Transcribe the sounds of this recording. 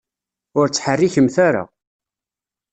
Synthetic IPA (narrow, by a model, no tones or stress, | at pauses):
ʊɾt͡sːħərːiçəmθaɾa̰